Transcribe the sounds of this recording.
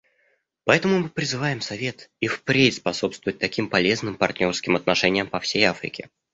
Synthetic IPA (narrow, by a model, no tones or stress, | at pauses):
pɐɛt̪əmʊmɨpɾʲɪzɨvajɪmsɐvʲe̞t̪ifpɾʲetʲspɐso̞pst̪vʊɨt̚ʲt̪ɐkʲimpɐlʲe̞znɨmpɐrt̪ʲnʲo̞rskʲɪmɐt̪nɐʂɛnʲɪjəmpɐfsʲejafɾʲɪ̰kʲɪ̰